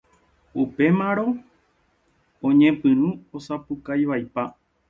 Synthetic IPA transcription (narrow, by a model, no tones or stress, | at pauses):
upe̞mãɾõ̞ | õɲẽ̞pɨ̃ɾ̃ũosapɨkajʋajpa